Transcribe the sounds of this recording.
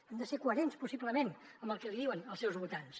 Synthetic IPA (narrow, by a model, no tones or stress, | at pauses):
ɛmd̪əsekuəɾenspusipləmenəmbəlˠkɛliðiwənəlˠsɛwzβut̪ans